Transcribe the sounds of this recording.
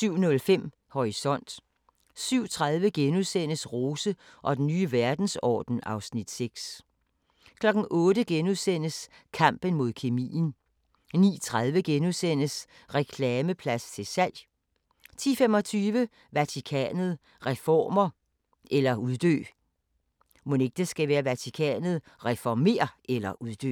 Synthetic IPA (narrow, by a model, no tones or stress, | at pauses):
syʊ̰nɔ̽lfem̰ | hɒʁisɒ̽n̰d̥ | syʊ̰t͡sʰʁað̞ˠʋəɡ̥enuðˠsen̰əsʁo̝ːsəʔɒ̽d̥en̩ːyːʋæɐd̥n̩sɒ̰ːd̥n̩ɑ̈ʊsnid̥seɡ̥s | kʰlɒ̽ɡ̥n̩ʔɔ̽ːdəɡ̥enuðˠsen̰əskʰɑ̈m̰b̥ən̩mo̝ð̞̰ˠkʰe̝mḭːn̩ | nḭːt͡sʰʁaðˠʋəɡ̥enuðˠsen̰əs | ʁɛkʰlɛːməpʰlæst͡sʰe̝lsæl̰j | t͡sʰḭːfemɒ̽t͡sʰyːʋə | ʋæt͡sʰikʰɛ̰ːnð̞̩ˠ | ʁɛfɒ̰ːmɐ | ʔelɐuð̞ˠd̥ø̰ː | mone̝ɡ̥̚d̥esɡ̥æʋæːɐʋæt͡sʰikʰɛ̰ːnð̞̩ˠ | ʁɛfɒme̝̰ːɐʔelɐʔuðˠd̥ø̰ː